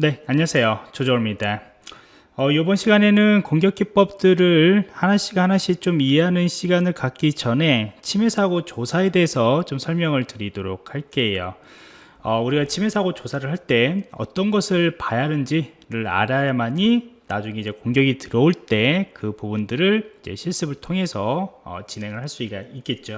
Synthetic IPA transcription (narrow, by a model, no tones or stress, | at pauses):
ne̞aɲːasʰe̞jot͡ɕod͡ʑʌmɲida | ʌjobʌnɕʰiɡane̞nɯnkoŋɡjʌk͈ʰːip͈ʌp̚t͈ɯɾɯɭhanaɕ͈ʰiɡahanaɕ͈ʰit͡ɕomie̞ɦanɯnɕʰiɡanɯɭkak̚k͈id͡ʑʌne̞t͡ɕʰime̞sʰaɡot͡ɕosʰae̞de̞ːsʰʌt͡ɕomsʰʌɭmjʌŋɯɭtɯɾidoɾok̚ʰhaɭk͈e̞jo̰ | ʌuɾiɡat͡ɕʰime̞sʰaɡot͡ɕosʰaɾɯɭɦaɭt͈e̞ʌ̰t͈ʌnɡʌsʰɯɭpajanɯnd͡ʑiɾɯɾa̰ɾajamaɲinad͡ʑuŋe̞id͡ʑekoŋɡjʌɡitɯɾʌoɭt͈e̞kɯpubundɯɾɯɭid͡ʑe̞̰ɕʰiɭs͈ɯbɯɭtʰoŋe̞sʰʌʌ̰t͡ɕinɦe̞ŋɯɭhaɭs͈uiɡaik͈e̞t̚t͡ɕ͈o